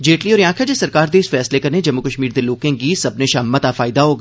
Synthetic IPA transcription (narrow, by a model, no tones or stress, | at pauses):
d͡ʒeːʈliɔːɾjãːkʰad͡ʒesɐɾkaːɾd̪eːsfɛːslekɐɾned͡ʒɐmːukəʃmiːɾd̪eloːkẽɡisɐbneʃaɦmət̪afaːɪd̪aɦoːɡ